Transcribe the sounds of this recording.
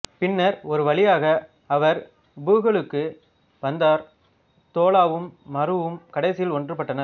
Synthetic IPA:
pɪnːɐɾɔɾɯʋɐɭɪjaːɣɐ | ɐʋɐɾ | bɯːɣɐɭɯkːɯ | ʋɐnd̪aːɾ | t̪oːlaːʋɯmːɐɾɯʋɯmkɐɽɐɪsɪjɪlɔndrɯpɐʈːɐnɐɾ

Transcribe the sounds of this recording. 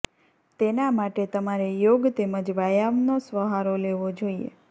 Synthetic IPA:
t̪enamaʈet̪əmaɾejoɡt̪eməd͡ʒʋajaʋnosʋəɦaɾoleʋod͡ʒoiḛ

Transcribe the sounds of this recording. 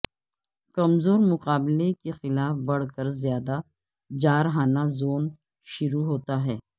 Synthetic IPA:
kɐmzoːɾmʊqaːblekexɪlaːfbɐɽ̤kəɾzjaːd̪a | d͡ʒaːɾɦaːnazoːn | ʃʊɾuɦoːt̪aɦɛː

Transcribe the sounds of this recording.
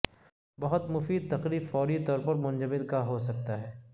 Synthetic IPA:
bɐɦʊt̪mʊfiːd̪̚t̪ɐqɾiːbfɔːɾit̪ɔːɾpɐɾmʊ̃nd͡ʒəmɪd̪kaɦosɐk̚t̪aɦɛː

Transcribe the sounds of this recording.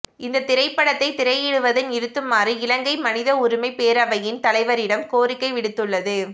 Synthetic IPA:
ɪnd̪ɐt̪ɪɾɐɪpːɐɽɐt̪ːɐɪt̪ɪɾɐjɪɽɯʋɐðɯnɪɾɯt̪ːɯmːaːriɪlɐŋɡɐɪmɐnɪðɐʊɾʊmɐɪpeːɾɐʋɐjɪnt̪ɐlɐɪʋɐɾɪɽɐmkoːrɪkːɐɪʋɪɽɯt̪ːɯɭːɐðɯ

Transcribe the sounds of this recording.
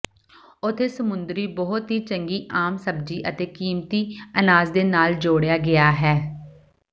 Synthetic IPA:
ʊt̪ʰːeːsəmʊnd̪ɾiːbɔɦʊt̪ɦiːt͡ʃəŋɡiːʔaːmsəbd͡ʒiːʔət̪eːkiːmt̪iːənaːzd̪eːnaːld͡ʒoːɽejaːɡɪjaːɦɛː

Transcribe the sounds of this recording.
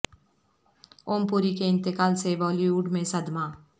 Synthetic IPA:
oːmpuːɾikeɪ̃nt̪ɪkaːlseʋɔːliuːɖmẽsɐd̪ma

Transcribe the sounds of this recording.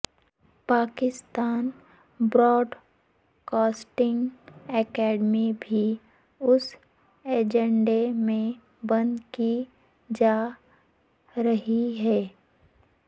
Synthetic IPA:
paːkɪst̪aːn | bɾɔːɖ | kaːsʈɪ̃ŋɡɛːkɛːɖmibʱi | ʊs | eːd͡ʒə̃ɳɖemẽ | bɐ̃nd̪ki | d͡ʒaː | ɾɐɦiɦɛː

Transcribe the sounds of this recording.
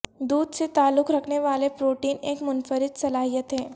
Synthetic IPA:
d̪uːd̪set̪aːlːʊkɾɐkʰneʋaːlepɾoːʈiːneːkmʊnfəɾɪd̪sɐlaːɦijət̪ɦɛː

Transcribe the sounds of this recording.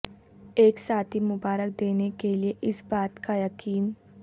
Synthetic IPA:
eːksaːt̪ʰimʊbaːɾək̚d̪eːnekelieʔɪsbaːt̪kajɐkiːn

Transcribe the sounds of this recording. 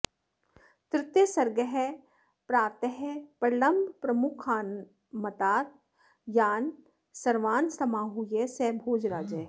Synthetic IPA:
t̪ɾɪt̪ːesɐɾɡəɦɛ | pɾaːɾt̪əɦɛpəɾɪlɐmbʱpɾɐmʊkʰaːn | mɐt̪aːt̪̚ | jaːn | sɐɾʋaːnsɐmãːɦujesɛbʱoːd͡ʒɾaːd͡ʒɛː

